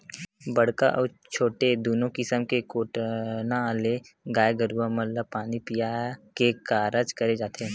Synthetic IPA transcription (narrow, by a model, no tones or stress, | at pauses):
bɐɽ̤ka̰ʔɔːɾ | t͡ʃʰoːʈed̪oːnõkɪsəmkekoːʈnaleɡaːjɡəɾuːamɐllapaːnipijakekaːɾəd͡ʒkɐɾed͡ʒaːt̪eɦɛ̃ː